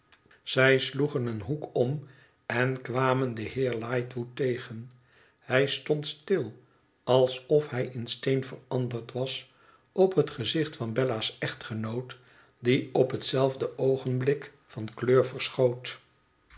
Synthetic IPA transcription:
z̥ɛjsluχənənɦukɔm | ɛnkʋaːməndəɦɪːɹlɑjtʋutejχən | hɛjstɔntstɪlˠ | ɑlˠsɔfɦɛjʔɪnstejnvərɑndəɹtʋɑs | ɔpɦətχəzɪχtfɑnbɛlasɛχtχənowt | diɔpɦətsɛlˠvdəʔowχənblɪk | fɑnkløːɹvəɹsχowt

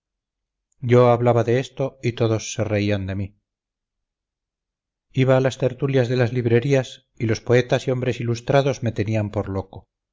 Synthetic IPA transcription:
ɟ͡ʝo̞aβlaβaðe̞est̪o̞it̪o̞ðo̞sːere̞iand̪emi | iβaːlast̪e̞ɾt̪uljazðe̞lazliβɾe̞ɾias | ilo̞spo̞e̞t̪asio̞mbɾe̞silust̪ɾaðo̞zme̞t̪e̞niampo̞ɾlo̞ko

